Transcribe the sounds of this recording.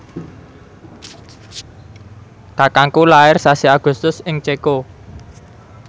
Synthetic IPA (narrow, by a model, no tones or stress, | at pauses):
kakaŋkulaɪrsasiaɡ̥ṳst̪ʊsɪŋt͡ʃeko